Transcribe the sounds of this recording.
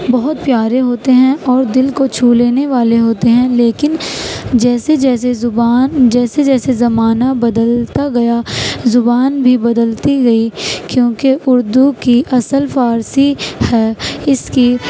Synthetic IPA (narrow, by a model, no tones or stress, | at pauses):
bɐɦʊt̪̚pjaːɾeɦoːt̪eɦɛ̃ʔɔːɾd̪ɪlkot͡ʃʰuːleːneʋaːleɦoːt̪eɦɛ̃leːkɪnd͡ʒɛːsed͡ʒɛːs̬ezʊbaːnd͡ʒɛːsed͡ʒɛːsezɐmaːnabɐd̪əlt̪aɡɐjazʊbaːnbʱibɐd̪əlt̪iɡɐikjõːkeʔʊɾd̪ukiʔɐsəlfaːɾsihɛːɪski